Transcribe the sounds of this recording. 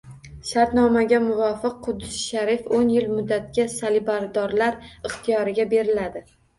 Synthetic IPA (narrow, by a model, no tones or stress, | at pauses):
ʃaɾt̪nɒmaɡʲamʊvɒfɨq̚qʰːʊd̪ːɪsʃaɾifonjɪlmʊd̪ːat̪̚kʲasalɪbaɾd̪ɒɾlaɾɪχt̪ʰijɒɾɪɡʲabe̞ɾɪlad̪ɪ